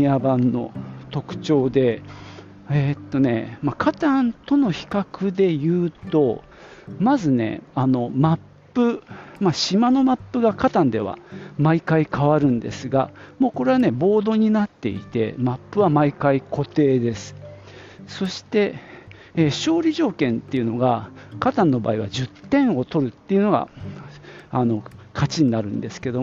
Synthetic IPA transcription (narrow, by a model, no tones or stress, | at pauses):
iabãnːo̞̰t̪o̞kɯ̟̥t͡ɕo̞ːd̪e̞ | et̪ːo̞ne̞̰makʰat̪ãnt̪o̞no̞çi̥kakɯ̟d̪e̞jɯ̟ːt̪o̞ | mazɨne̞̰ano̞mapːɯ̟maɕimano̞mapːɯ̟ɡakat̪ãnd̪e̞βa̰maikaikaβaɾɯ̟̃nd̪e̞̰sɨɡa̰mo̞ːko̞ɾe̞βane̞bo̞ːd̪o̞ɲ̟inat̪ːe̞̰ḭt̪e̞̰mapːɯ̟βamaikaikʰo̞t̪e̞ːd̪e̞sɨ̥ | so̞ɕi̥t̪e̞ | ɕo̞ːɾʲiʑo̞ːkẽ̞nt̪ːe̞iɯ̟no̞ɡakat̪ãnːo̞ba̰ːiβa̰ʑɨt̪ːẽ̞ɰ̃o̞t̪o̞ɾɯ̟t̪ːe̞iɯ̟no̞ɡa̰ | ano̞kʰat͡ɕiɲ̟inaɾɯ̟̃nd̪e̞sɨ̥ke̞d̪o̞